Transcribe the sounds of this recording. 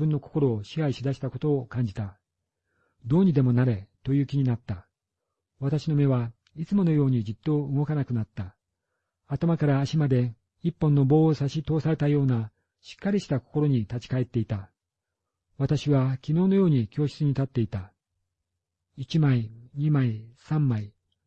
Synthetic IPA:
ɯ̟̃nːo̞ko̞̥ko̞ɾo̞ːɕihaiɕid̪aɕi̥t̪ako̞t̪o̞ːkãɲ̟d͡ʑit̪a | d̪o̞ːɲ̟id̪e̞mo̞naɾe̞t̪o̞jɯ̟ːkʲiɲ̟inat̪ːa | βat̪aɕino̞me̞βa | it͡sɨmo̞no̞jo̞ːɲ̟id͡ʑit̪ːo̞ɯ̟ɡo̞kanakɯ̟nat̪ːa | at̪amakaɾaːɕimad̪e̞ | ipːõ̞nːo̞bo̞ːosaɕit̪o̞ːsaɾe̞t̪ajo̞ːna | ɕi̥kːaɾʲiɕi̥t̪ako̥ko̞ɾo̞ɲ̟it̪at͡ɕi̥kae̞t̪ːe̞it̪a | βat̪aɕiβakʲino̞ːno̞jo̞ːɲ̟ikʲo̞ːɕɨ̥t͡sɨɲ̟it̪at̪ːe̞it̪a | it͡ɕimaiɲ̟imaisãmːai

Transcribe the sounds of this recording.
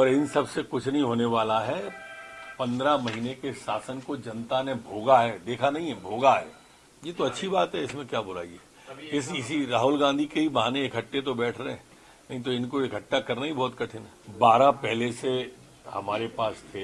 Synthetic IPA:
ɔːɾɪnsɐbsekʊt͡ʃʰnɐɦĩɦoːneʋaːlaɦɛ | pɐ̃nd̪ɾamɐɦiːnekesaːsənkod͡ʒɐnt̪anebʱoːɡaɦɛːd̪eːkʰanɐɦĩɦɛbʱoːɡaɦɛ̰ː | jeːt̪oɐtːʃʰibaːt̪ɦɛɪsmẽkjaːbʊla̰ːiɛː | ɪsɪsiɾaːɦʊlɡãːnd̪ʱikeɦibɐɦaːnẽɪkʰəʈːet̪̬obɛːʈʰɾɐɦɛ̃ | nɐɦĩt̪̬oɪnkoɪkʰəʈːakɐɾnaɦibʱɔːt̪kɐʈʰɪnɦɛbaːɾapɛɦlese | hɐ̰maːɾepaːst̪ʰeː

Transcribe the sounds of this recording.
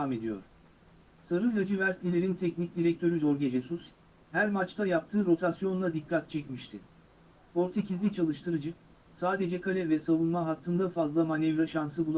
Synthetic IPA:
aːme̞d̪ijo̞̰ɾ̥ | saɾɯljad͡ʒɯvæɾt̪lʲilʲeɾint̪ʰɛcnic̚d̪iɾɛc̚t̪ʰø̞ɾyzo̞ɾɟʲe̞d͡ʒɛsus | hæɾmat͡ʃt̪ʰajap̚t̪ʰɯːɾo̞t̪ʰasjo̞nlad̪ikʰːat̪̚t͡ʃʰɛcmiʃt̪ʰɪ | pʰo̞ɾt̪ʰe̞cʰizlʲit͡ʃʰalˠɯʃt̪ʰɯɾɯd͡ʒɯ | saːd̪e̞d͡ʒɛkʰalʲɛvɛsavunmaɦat̪ʰːɯnd̪afazlˠamanɛvɾaʃansɯbulˠa

